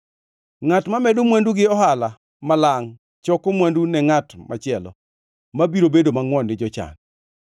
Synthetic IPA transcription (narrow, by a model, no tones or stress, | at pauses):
ŋatmamɛdomwanduɡɪɔɦala | malaŋ | t͡ʃɔkomwandunɛŋatmat͡ʃɪɛlɔ̰ | mabiɾobedomaŋwɔndɪd͡ʒɔt͡ʃa̰n